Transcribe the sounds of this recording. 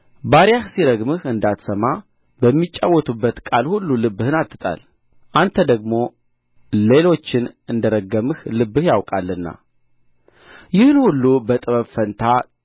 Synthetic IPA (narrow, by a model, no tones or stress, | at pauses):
baɾijahsiɾəɡmɨhɨnd̪at̪səma | bəmːit͡ʃʼːawːɔt̪ʰubːət̪kʼalhulːulɨbːɨhɨnat̪ʰːɨt̪ʼa̰l | ʔant̪ʰəd̪əɡmo̞ | le̞lo̞t͡ʃːɪnɨnd̪əɾəɡəmɨhlɨbːɨhjawkʼalːɨnːa̰ | jɪhɨnhulːubət̪ʼɨβəβfənt̪ʰa